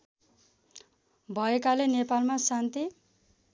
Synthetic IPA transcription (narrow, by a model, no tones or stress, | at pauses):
bʱʌekalenepalmasant̪i